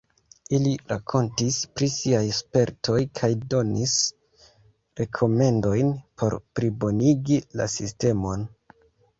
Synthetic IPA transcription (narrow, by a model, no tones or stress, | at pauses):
iliɾakʰo̞ntispɾisiajspe̞ɾto̞jkʰajdo̞nis | ɾe̞kʰo̞me̞ndo̞jnpʰo̞̰ɾpɾibo̞niɡila̰siste̞mo̞n